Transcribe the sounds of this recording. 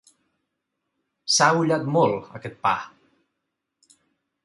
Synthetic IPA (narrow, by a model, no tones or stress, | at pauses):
sauʎat̪mɔlˠə̰kɛt̪̚pa̰